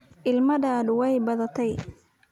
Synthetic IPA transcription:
ʔɪlmɐdaːd̪wɛjbɐðɐt̪ʰɛj

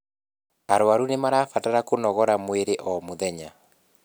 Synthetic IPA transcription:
aɾwaɾunemaɾaːfataɾakonɔɣɔɾamweɾeʔɔmoðɛɲa

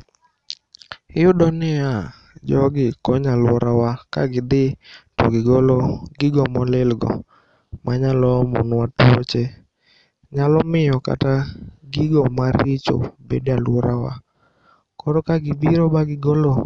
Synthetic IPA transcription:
ɪjʊdɔnɪa | d͡ʒɔɡɪkɔɲalwɔɾawaka̰ɡɪd̪ɪtɔ̰ɡɪɡolɔɡɪɡɔmɔlɪlɡɔ̰ | maɲalɔmɔ̰nwatwot͡ʃe | ɲalɔmɪjɔka̰taɡɪɡɔmaɾɪt͡ʃɔ̰bḛdalwɔɾawa̰ | kɔɾɔkaɡɪbiɾobaɡɪɡolo

